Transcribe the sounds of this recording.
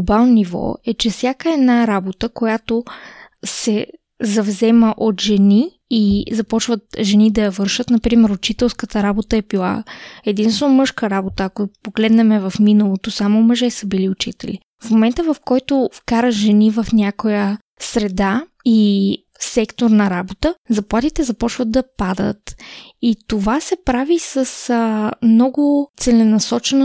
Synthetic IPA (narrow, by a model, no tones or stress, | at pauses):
ɡbalˠnonivɔ̰ɛt͡ʃɛfsʲjakəɛd̪naɾabot̪əkojat̪o | sɛ | zɐvzɛməʔot̪ʒɛniː | zɐpɔt͡ʃvət̪ʒɛnid̪ɐjɐvɤɾʃət̪nɐpɾimɛɾʊt͡ʃit̪ɛlˠskət̪əɾabot̪əɛbilˠa̰ɛd̪inst̪vɛnomɤʃkəɾabot̪əːkopoɡlɛd̪nɛmɛvɐfminɐlˠot̪osamoməʒɛsəbiliʊt͡ʃit̪ɛlḭ | fmomɛnt̪əvɐfkɔjt̪ofkaɾəʒɛnivɐfnʲakojə | sɾɛd̪a | i | sɛkt̪oɾnɐɾabot̪əzɐplˠat̪it̪ɛzɐpɔt͡ʃvəd̪̚d̪ɐpad̪ə̰t̪it̪ovasɛpɾavisəsmnɔɡʊt̪sɛlɛnɐsɔt͡ʃɛn